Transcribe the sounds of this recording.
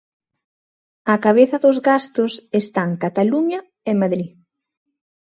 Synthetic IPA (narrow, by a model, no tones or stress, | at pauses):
ɐkaβ̞eθɐðʊzɣast̪ʊsest̪aŋkat̪aluɲɐ | emaðɾi